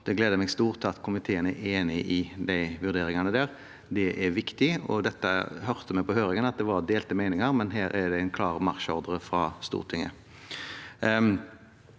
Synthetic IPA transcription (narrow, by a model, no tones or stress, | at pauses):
d̪̥ɛɡleːd̪əmɛɡst̪uːʁt̪ʰɑt̪ːkʰʊmɪt̪ʰeːənəeːnɪʔɪd̪æɪʋʉʁd̪eːɾɪŋɑnəd̪æːʁ | d̪ɛʔɛɾʋɪkt̪ɪɔ̰d̪ɛt̪ːə̰hœʁt̪əmɛɪpɔɦøːɾɪŋənɑt̪̚d̪ɛʋɑɾd̪eːlt̪əmæɪnɪŋɑɾmɛnɦæːɾæd̪ɛɪnkʰlɑːʁmɑʁʃɔʁd̪əɾəfɾɑst̪ṵːʁt̪ʰɪŋːə̰